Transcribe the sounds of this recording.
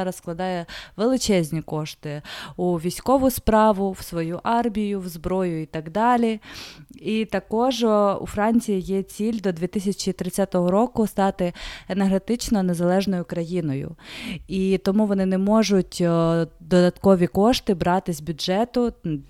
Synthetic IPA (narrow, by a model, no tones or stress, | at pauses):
ɾɐssklˠɐd̪ɑjɛʋelˠɪt͡ʃɛzʲnʲikɔʃt̪ɪuʋʲijsʲkɔʋʊspɾɑʋʊwsʋɔjuʔɑrmʲijʊwzbɾɔjʊit̪ɐɡd̪ɑlʲi | it̪ɐkɔʒṵfɾɑnʲt͡sʲijijɛt͡sʲilʲd̪ɔd̪ʲʋʲit̪ɪsʲɐt͡ʃit̪ɾɪt͡sʲːat̪ɔɦɔɾɔkʊst̪ɑt̪ɪenerɦet̪ɪt͡ʃnɔnezɐlˠɛʒnɔjʊkɾɐjinɔjʊ̰it̪ɔmuʋɔnɪnɛmɔʒʊtʲd̪ɔd̪ɐt̪kɔʋʲikɔʃt̪ɪbɾɑt̪ɪzʲbʲʊdʒɛt̪ʊ